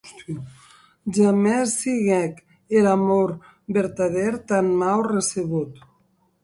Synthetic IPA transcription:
ʒamɛsːiɣɛk | elamoɾ | beɾt̪aðeɾt̪anmawreseβut̪

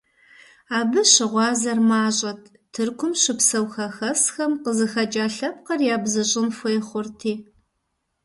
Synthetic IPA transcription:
aːbɨɕɪʁʷɑːzɐrmaːɕʼɐtʰ | tʰɨrkʷʰʊmɕɪpsɐwxɐxɐsxɐmqəzɨxɐt͡ʃʼaːɬɐp̚qɐrjaːbzɨɕʼɪnfʷɔjɛχʷʊrtʰiː

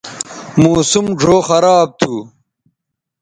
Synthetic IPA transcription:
muːsumʐʱoːxɐɾaːb̚t̪ʰuː

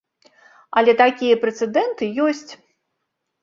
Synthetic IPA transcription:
ɐlʲɛt̪akʲijɐpɾɛt̪sɛd̪ɛnt̪ɨjɔsʲt͡sʲ

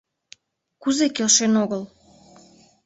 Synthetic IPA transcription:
kuzekelʃenoɣəl

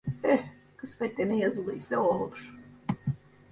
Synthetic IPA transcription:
ɛ | kʰɯsmɛt̪lenijazɯlˠɯisɛoɦolˠuɾ̥

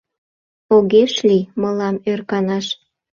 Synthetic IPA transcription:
oɣeʃliməlɑmørkɑnɑʃ

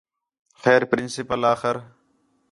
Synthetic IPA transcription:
xɛːɾpɾɪnsɪpəlaːxɪɾ

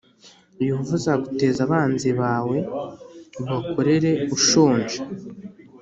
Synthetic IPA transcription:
juːvuzaɡute̞ːzaβaːnziβaːwe̞ | βako̞ɾe̞ɾe̞uʃoːnʒḁ

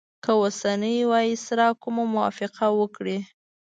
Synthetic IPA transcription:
kəwosanəjwɑjisɾɑkʊmamʊwɑ̰fɪqʰawəkɽi

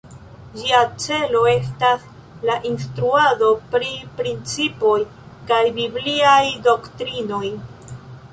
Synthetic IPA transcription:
d͡ʒiat͡se̞lo̞e̞s̬tas | laʔinstɾuado̞pɾipɾint͡sipo̞j | kajbibliajdo̞ktɾino̞j

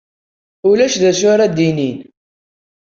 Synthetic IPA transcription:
ʊlæʃðæʃʊɾad̪inin

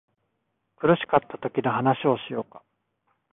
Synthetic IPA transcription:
kɯ̟ɾɯ̟ɕi̥kat̪ʰːat̪o̞kʲinohanaɕio̞ɕijo̞̰ːkḁ

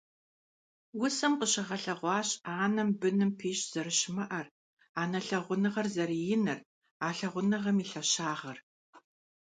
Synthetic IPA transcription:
wʊsɐmqəɕɪʁɐɬɐʁʷɑːɕaːnɐmbɨnɨmpʰiːɕz̥ɐrɨɕmɐʔɐr | aːnɐɬɐʁʷʊnɨʁɐrzɐɾijɪnɨr | aːɬɐʁʷʊnɨʁɐmiːɬɐɕaːʁɐr

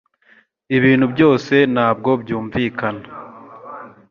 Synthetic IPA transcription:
iβiːnhubjo̞ːse̞naːb̚ɡo̞bjuːɱviːkana

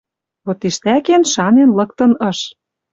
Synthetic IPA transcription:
βot̪iʃt̪ækenʃɑnenlɤ̆k̚t̪ɤ̆nɤ̆ʃ

